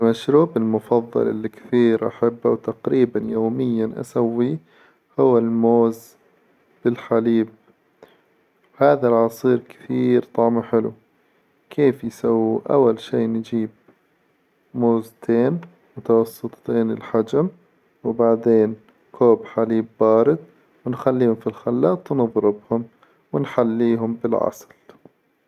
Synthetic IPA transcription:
maʃɾuːbɪlmʊfɑðˤːɑ̰lʔɪ̰lːikθiːɾʔa̰ħabːawt̪aqɾiːbanjoːmɪjːanʔa̰sawːi | hʊwːalmoːz | b̥ɪlħaliːb̚ | whaːðalʕɑsˤiːɾkɪ̥θiːɾt̪ˤɑʕmaħɪlṵ | kʰeːfjsawːiʔa̰wːalʃiːʔnd͡ʒiːb̚ | moːzt̪ʰeːn | mʊt̪ɑwɑsˤːɨt̪ˤːeːnɪ̰lħad͡ʒam | wɪbaʕd̪eːn | kʰoːbħaliːbːɑːɾɪd̪̚ | wɪnxalːiːhʊmfilxalːɑːt̪ˤwnɨðˤɾɪbhʊm | wɪnħalːiːɦʊmbɪlʕɑ̰sˤl

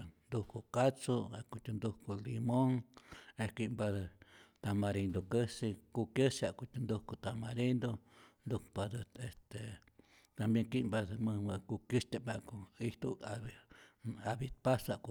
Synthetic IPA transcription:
nd̪ukukat͡suakut̪und̪ukulimõŋekiʔmbat̪amãɾind̪okəsikukesiakut̪und̪ukut̪amãɾind̪ond̪ukpad̪est̪e | t̪ambjẽŋkiʔmbamɨ̃akukiʃt̪ebakuit̪ua | aβit̪̚pasaku

